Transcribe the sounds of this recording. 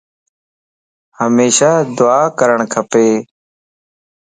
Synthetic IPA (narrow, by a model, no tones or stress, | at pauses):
həmeːʃaːd̪ʊaːkəɾəɳkʰəpeː